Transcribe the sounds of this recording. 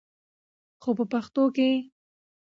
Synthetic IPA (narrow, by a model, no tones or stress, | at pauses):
xopəpaxt̪oke